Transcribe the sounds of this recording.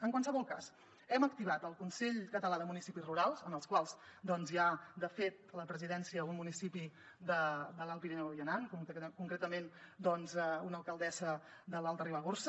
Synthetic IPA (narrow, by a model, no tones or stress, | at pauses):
əŋkwansəβɔlˠka̰s | ɛməkt̪iβat̪əlˠkunsɛʎkət̪əlaðəmunisipizruɾalˠzənəlˠskwalˠzd̪ɔnzjad̪əfet̪̚ləpɾəziðɛnsiəunmunisipi | d̪əd̪əlalˠpineɛiənankukuŋkɾet̪əmend̪ɔnzɛunəlˠkəlˠd̪ɛzə | d̪əlalˠt̪əriβəɣors